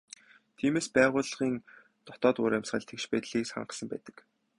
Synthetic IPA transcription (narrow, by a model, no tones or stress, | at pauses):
t̪ʰiːmeːspæːʁʊːɮʁiːn | t̪ɔ̥t̪ɔːt̪ʊːɾæmʲsχə̆ɮt̪ʰekʃpæːt̪ɮiːksχa̰ɴɢə̆sə̆mpæ̰ːt̪ə̥̆k